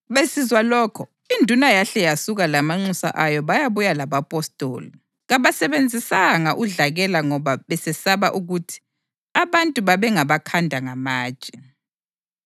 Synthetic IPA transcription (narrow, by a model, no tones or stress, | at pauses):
βesizwalɔːkʰɔ | indʱunajaɬɛjasuɣalamaŋ͡ǁusa̰ʔajɔβajaβujalaβapʼɔstʼo̰ːli | ɣaβasɛβend͡zʱisaŋaʔuɮaɣɛlaŋɔβaβɛsɛsaβaʔuɣutʰi̥ | aβantʼuβaβɛŋaβakʰandʱaŋamaːt͡ʃʼɛ